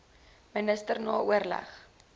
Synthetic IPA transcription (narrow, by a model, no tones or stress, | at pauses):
mənəstərnɑːuərlæ̰χ